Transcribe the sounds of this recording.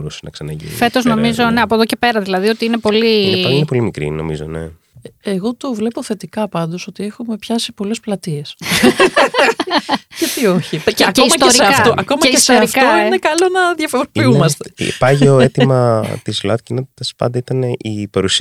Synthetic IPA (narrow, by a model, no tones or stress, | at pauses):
ɾusenɐ̰ksɐnɐʝḭnnḭfe̞t̪o̞zno̞mizo̞neɐpoðoce̞pe̞ɾɐðilɐðio̞t̪iine̞po̞liinepo̞limikɾḭno̞̰mizo̞̰nḛ | eɣo̞t̪ovle̞po̞θe̞t̪ikɐpɐnd̪o̞so̞t̪iexume̞pçɐsipo̞le̞splɐt̪ies | cet̪io̞çiɐkcoismɐt̪esɾiɐkɐft̪oʔɐkomɐeiesoɐɾiftkɐoinekɐlonɐðjɐfoɾopiumɐst̪ḛpɐʝeoet̪imɐt̪izlɐt̪cinot̪t̪ɐspɐ̰nd̪ɐit̪ɐne̞ʔipɐɾusi